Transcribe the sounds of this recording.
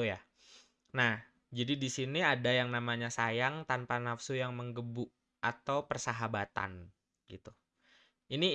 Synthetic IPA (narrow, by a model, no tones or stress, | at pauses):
ja | nah | d͡ʒadidisiniadajaŋnamaɲasajaŋt̪anpanafsujaŋməŋɡəbʊʔ | at̪awpərsaɦabat̪a̰n | ɡit̪u | ini